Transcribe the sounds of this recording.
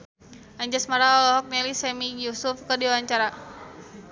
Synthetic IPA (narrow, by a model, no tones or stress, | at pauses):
ʔaɲd͡ʒasmaɾaɔlɔɦɔk̚nɛlisɛmijusufkədiwawaɲt͡ʃaɾa